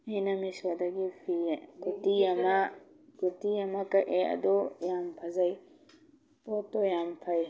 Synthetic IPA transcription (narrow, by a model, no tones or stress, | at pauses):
ajnamiswad̪aɡipʰikɔtijama | kɔtijamakaʔea̰d̪ɔjampʰazaj | pɔt̪ːɔjampʰaj